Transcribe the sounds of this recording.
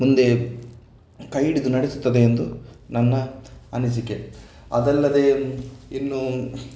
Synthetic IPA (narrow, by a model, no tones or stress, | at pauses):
mund̪e̞ | kɐjɽid̪unɐɽesu̥t̪ːɐd̪e̞ːnd̪unɐnːɐɐnis̬ikːe | ɐ̰d̪ɛlːɐd̪einːu